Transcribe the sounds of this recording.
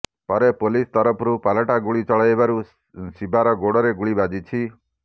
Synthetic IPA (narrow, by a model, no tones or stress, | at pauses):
pɔɾepolist̪ɔɾɔpʰɔɾupalɔʈaɡuɭit͡ʃɔɭajbaɾu | sibʱaɾɔɡoɽɔɾeɡuɭibad͡ʒit͡ʃʰi